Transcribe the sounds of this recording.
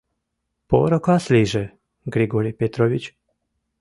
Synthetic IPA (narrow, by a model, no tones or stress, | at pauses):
po̰ɾokasliʒɛ | ɡɾiɡoɾipet̪ɾoʋit͡ɕ